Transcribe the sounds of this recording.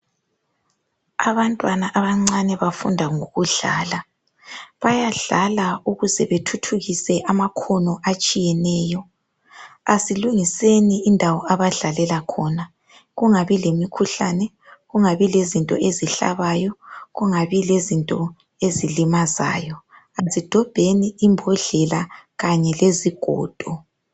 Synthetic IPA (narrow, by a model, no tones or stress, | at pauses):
aβantʼwanaʔaβaŋ͡ǀanɛβafundʱaŋoɣuɮaːla | βajaɮalauɣuzɛβetʰutʰuɣisɛʔamakʰɔnɔʔat͡ʃʼijɛnɛːjɔ | asiluŋiseniːndʱawɔaβaɮalɛlakʰɔna | ɣuŋaβilemikʰuɬanɛ | ɣuŋaβilezintʼɔ̰ʔeziɬa̰βajɔɣuŋaβilezintʼɔ | ezilimaza̰ːjɔ | azid̥ʱɔb̥ʱeniʔimbʱɔɮɛlaɣaɲɛleziɡ̥ʱɔ̰ːd̥ʱɔ